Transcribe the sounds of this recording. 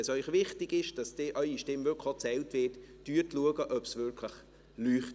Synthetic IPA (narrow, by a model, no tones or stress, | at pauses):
ɛsœʏχvɪχtɪɡɪʃd̥ɑsd̥ɪʔœʏiʃtɪmvʏkʰot͡sɛltvɪːtːyːtluəɡəʔœpsvɪɾkʰləχ | lyːχt